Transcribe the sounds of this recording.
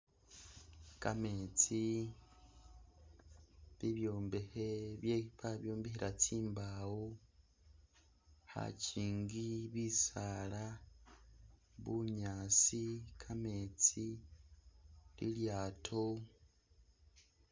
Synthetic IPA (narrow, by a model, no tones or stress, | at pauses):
kame̞t͡si | βiβjo̞ːmbeheβjeipaβjo̞ːmbehiɾat͡siːmbawo | ha̰ciːŋɡiβisala | βuɲaːt͡sikʰame̞t͡si | lḭljaːtʰo̞